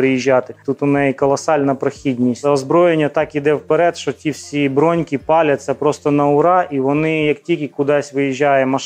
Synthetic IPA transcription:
ɾɪjiʒʲːat̪ɪt̪ut̪ʊnɛjikɔlˠɐsɑlʲnɐpɾɐxʲidʲnʲisʲtʲɐɔzbɾɔjenʲːɐt̪ɑkid̪ɛwpeɾɛt̪ʃɔtʲiwsʲibɾɔnʲkʲipɑlʲɐt͡sʲːɐpɾɔst̪ɔnɐʊɾɑʔiʋɔnɪjɐktʲilʲkʲikʊd̪ɑsʲʋɪjiʒʲːajɛmɐʃ

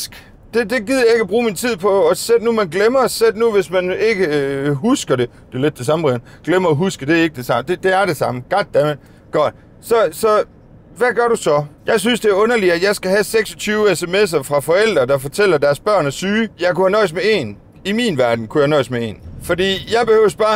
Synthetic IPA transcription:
d̥e̝d̥e̝ɡiðˠje̝ɡ̥æb̥ʁuːmint͡sʰið̰ˠpʰɒ̽ɒsed̥numænɡ̥lemɐsed̥nuʋe̝smæne̝ɡ̥əɦusɡ̥ɐɾe̝ | d̥e̝ɐle̝d̥ːe̝s̬ɑ̈məʁen̩ | ɡ̥lemɐːɦusɡ̥əd̥e̝æɐe̝ɡ̥əd̥e̝sɑ̈md̥e̝d̥e̝æɐɾe̝sɑ̈məɡ̥ɒd̥̚æmə | ɡ̥ɒd̥ | sɒ̽sɒ̽ | ʋæɡ̥ɶɐɾusɒ̽jɑ̈ɪs̬ynsd̥e̝æɐɔ̽nɐliæjɑ̈ɪsɡ̥æɦæseɡ̥sɒ̽t͡sʰyːʊesemes̬ɐfʁɑ̈fɒ̽el̰d̥ʁɐd̥ɑ̈fɒ̽t͡sʰel̰ɐd̥æɐsb̥ɶɐ̰næsyːjɑ̈ɪkuhænɒ̽ɪ̰smee̝̰n | iminʋæɐd̥n̩kʰuhjænɒ̽ɪsmee̝̰ːnfɒ̽dḭːjɑ̈ɪb̥e̝høʊsb̥ɑ̈ː

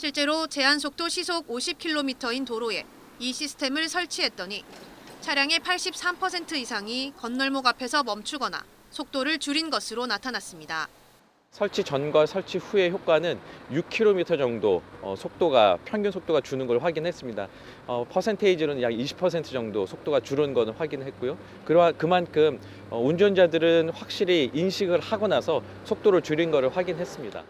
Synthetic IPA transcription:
ɕʰiɭt͡ɕ͈e̞ɾot͡ɕe̞ɦansʰok̚t͈oɕʰisʰoɡoɕʰip̚kʰiɭːomitʰʌintoɾoe̞ | iɕʰisʰɯ̥tʰe̞mɯɭsʰʌɭt͡ɕʰiɦe̞t̚t͈ʌɲit͡ɕʰaɾjaŋe̞pʰaɭɕ͈ip̚s͈ampʰʌsʰe̞ntʰɯisʰaŋikʌnːʌɭmoɡapʰe̞sʰʌmʌmt͡ɕʰuɡʌna̰ | sʰok̚t͈oɾɯɭt͡ɕuɾinɡʌsʰɯɾonatʰanas͈ɯmɲida | sʰʌɭt͡ɕʰit͡ɕʌnɡwasʰʌɭt͡ɕʰiɸue̞çjok̚k͈anɯnjuk̚kʰiɾomitʰʌd͡ʑʌŋdoʌ̰sʰok̚t͈oɡapʰjʌŋɡjunsʰok̚t͈oɡat͡ɕunɯnɡʌɾɭɸwaɡinɦe̞s͈ɯmɲida̰ | ʌpʰʌsʰe̞ntʰeid͡ʑiɾonɯnjaɡiɕʰi̥pʰʌsʰe̞ntʰɯd͡ʑʌŋdosʰok̚t͈oɡat͡ɕuɾɯnɡʌnɯɭɸwaɡinɯɭɦe̞t̚k͈ujo | kɯɾakɯmankʰɯm | ʌund͡ʑʌnd͡ʑadɯɾɯnɸwak̚ɕ͈iɾiːnɕʰiɡɯɭhaɡʌnasʰʌ | sʰok̚t͈oɾɯɭt͡ɕuɾinɡʌɾɯɭɸwaɡinɦe̞s͈ɯmɲida̰

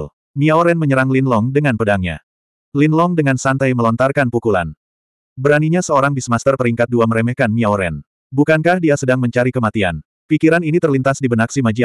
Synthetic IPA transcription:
l | miaoɾɛnməɲəɾaŋlinlɔŋdəŋanpədaŋɲa̰ | linlɔŋdəŋansant̪ajməlɔnt̪arkanpukula̰n | bəɾaniɲasəoɾaŋbismast̪ərpəɾiŋkat̪̚duaməɾɛməhkanmiaoɾɛ̰n | bukankahdiasədaŋməɲt͡ʃaɾikəmat̪ia̰n | pikiɾaninit̪ərlint̪asdibənak̚simad͡ʒia

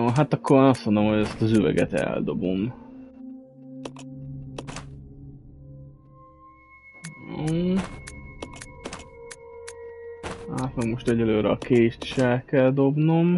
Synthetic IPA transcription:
oɦat̪ɒkʰːoɾːnɒst̪mo̞nd̪olomhoɛst̪ɒzyvɛ̰ɡɛ̰t̪ɛ̰ld̪o̞bom | o | aːt̪mɛɡmo̞ʃt̪ɛɟɛløːɾɛɒkeːʃt̪i̥ʃɛlkɛld̪o̞bno̞m

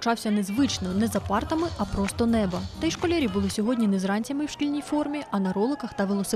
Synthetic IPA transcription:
t͡ʃɑwsʲɐnɛzʋɪt͡ʃnɔnɛzɐpɑrt̪ɐmɪʔɐpɾɔst̪ɔnɛbɐt̪ɛjʃkɔlʲɛɾʲijbʊlˠɪsʲɔɦɔdʲnʲinɛzrɑnʲt͡sʲɐmɪwʃkʲilʲnʲijfɔrmʲiɐnɐɾɔlˠɪkɐxt̪ɐʋelˠɔsɪ

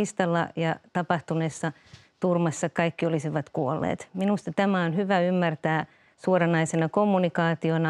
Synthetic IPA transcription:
ist̪ɑlːɑ̰jɑt̪ɑpɑht̪unesːɑ | t̪urmɑsːɑkɑikːiolisiʋɑt̪kuolːḛːt̪minust̪ɑt̪æmæonhyʋæymːært̪æː | suorɑnɑisenɑkomːunikɑːt̪ionɑ

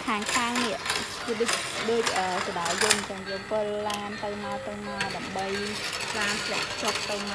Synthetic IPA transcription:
kʰaːŋkʰaːŋniəʔ | ɗɨc̚ɗəːc̚ʔəːkəɗaɔʋɨmɲt͡ɕəŋjiːpɨlːaːnt̪ɨwmaɔt̪ɨwmaɔɗaəmɓəj | laːnpʰlɛ̆əʔʰt͡ɕop̚t̪ɨwm

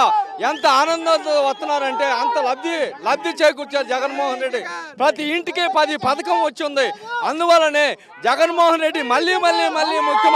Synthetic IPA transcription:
ɛnt̪ɐaːnɐnd̪ɐd̪ɐʋɐst̪ːɐnːaːɾɐɳʈe̞ːɐnt̪ɐlɐb̪̚ilɐb̪jit͡ʃeːjk̬ut͡ʃːaːɾud͡ʒɛɡɐnmɔːɦɐnɾeɖːipɾɐt̪iːɳʈikeːpɐd̪ipɐt̪ɐkɐmʋɐt͡ʃːund̪iɐnd̪uʋɐlːɐneː | d͡ʒɛɡɐnmɔːɦɐnɾe̞ɖːimɐlːiːmɐlːiːmɐlːiːmukʰjɐm

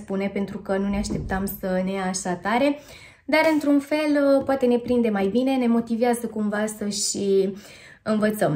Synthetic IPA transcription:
spune̞pe̞nt̪ɾukənuneaʃt̪e̞p̚t̪amsəne̞aʃat̪aɾe̞ | d̪aɾɨnt̪ɾunfe̞lpoat̪e̞ne̞pɾind̪e̞majbine̞ne̞mo̞t̪iveazəkumvasəʃi | ɨnvət̪səm

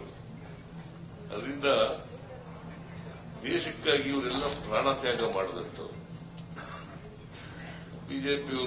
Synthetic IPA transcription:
ɐ̰d̪ɐɾind̪ɐ | d̪ɛːʃɐkːaːɡiɐʋɐɾɛlːɐpɾaːɳaːt̪jaːɡɐmaːɽɐd̪ɐnt̪ɐ̰ | biːd͡ʒeːpi

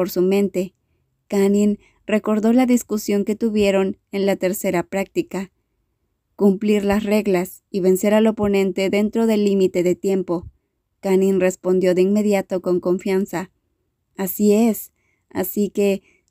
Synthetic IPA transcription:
oɾsumẽ̞nt̪e̞ | kanĩn | re̞ko̞ɾðo̞laðiskusjo̞ŋke̞t̪uβje̞ɾo̞n | e̞nlat̪e̞ɾse̞ɾapɾak̚t̪ika | kumpliɾlasre̞ɣlas | iβe̞nse̞ɾalo̞po̞nẽ̞nt̪e̞ðe̞nt̪ɾo̞ðe̞lːimit̪e̞ðe̞t̪je̞mpo̞ | kanĩnre̞spo̞nd̪jo̞ðeinme̞ðjat̪o̞ko̞ŋko̞ɱfjansa | asie̞s | a̰sike̞

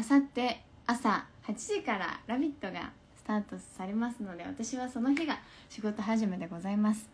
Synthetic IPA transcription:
sat̪ːe̞ | asahat͡ɕiʑikaɾa̰ɾabʲit̪ːo̞ɡa̰ | sɨ̥t̪aːt̪o̞ssaɾe̞masɨno̞d̪e̞βa̰t̪aɕiβ̞aso̞no̞çiɡa | ɕiɡo̞t̪o̞ɦaʑime̞d̪e̞ɡo̞zaimasɨ̥

